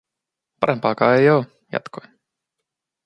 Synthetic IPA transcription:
pɑɾempɑːkɑːejoː | jæ̰t̪koj

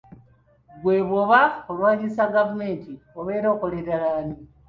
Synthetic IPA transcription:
ɡwe̞ːβoβaolwaːɲisaɡavume̞ːntioβeːɾoːkoleɾalaːni

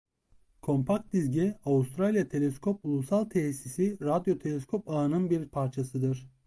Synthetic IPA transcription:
kʰo̞mpʰak̚t̪̚d̪izɟɛavust̪ʰɾalʲijat̪ʰe̞lʲɛskʰo̞pulˠusalˠt̪ʰɛsisiɾad̪jo̞t̪ʰelʲɛskʰo̞paːnɯnbiɾpʰaɾt͡ʃʰasɯd̪ɯɾ̥

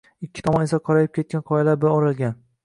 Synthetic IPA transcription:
ɪkʲʰːɪ̥t̪ʰɒmɒne̞saqʰɒɾajɪp̚kʲʰe̞t̪̚kʲanqʰɒjalaɾbɪɾɒɾalɡʲan

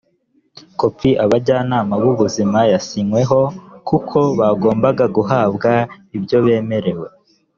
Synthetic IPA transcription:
ko̞pp͡fiʔaβaɟaːnaːmaβuβuzimajasiŋwe̞ɦo̞kukʰo̞βaɡo̞ːmbaɡaɡuɦaːbɡaibɟo̞βe̞ːme̞ɾe̞we̞

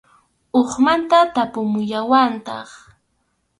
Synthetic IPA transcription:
oχmant̪at̪apʊmʊjawant̪ɑ̰χ

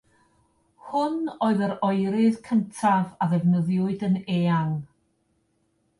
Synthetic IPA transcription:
hʊnoːɨðəɾɔɨɾɨðkʰəntʰavaðɛvnəðjʊɨdəneːaŋ

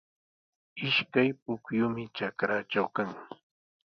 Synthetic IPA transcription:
ɪʃkajpʊkjʊmɪt͡ʃakɾaːt͡ʃawkaŋ

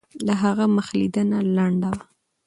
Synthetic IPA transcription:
laɦaɣaməxlid̪ənalaɳɖawa

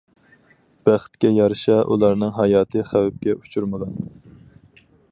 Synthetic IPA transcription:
b̥æχt̪̚kʲɛjɑɾɨʃɑʔṵlˠɑɾnɨŋɦɑjɑːt̪ʰɨχæwɛp̚kʲɛʔu̥t͡ʃʰuɾmɨɡɑn

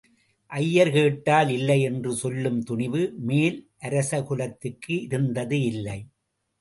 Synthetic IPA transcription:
ʔɐjːɐɾkeːʈːaːlɪlːɐɪɛndrɯsɔlːɯmt̪ʊɳɪʋɯmeːlʔɐɾɐsɐkʊlɐt̪ːɯkːɯɪɾɯnd̪ɐðɯɪlːɐɪ

